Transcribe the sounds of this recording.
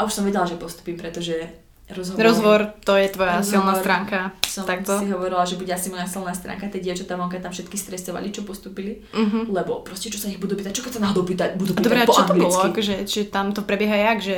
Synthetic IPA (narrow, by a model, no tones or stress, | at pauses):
ʔauʃsɔmʋɛɟɛlaʒɛpɔst̪u̥piːmpɾɛt̪ɔʒɛ | ɾɔzɦɔɾɔzʋɔɾt̪ɔjɛt̪ʋɔjasilˠnaːt̪ɾaːŋkasɔmakt̪ɔiɦɔʋɔɾilaʒɛbuɟɛasimɔjasilˠnaːst̪ɾa̰ːŋkat̪ɛɟɛt͡ʃɔt̪aːʋɔŋkat̪amfʃɛt̪̚kist̪ɾɛsɔʋa̰lit͡ʃɔpɔst̪upili | ɦ̩lɛbɔpɾɔscɛt͡ʃɔsaiɣbud̪uːpiːt̪ac̚t͡ʃɔkɛsanaːɦɔd̪ɔʊpit̪abud̪uad̪ɔbɾɛat͡ʃɔt̪ɔbɔlɔakɔʒɛt͡ʃiʒɛt̪amt̪ɔpɾɛbjɛɦajaɡʒɛ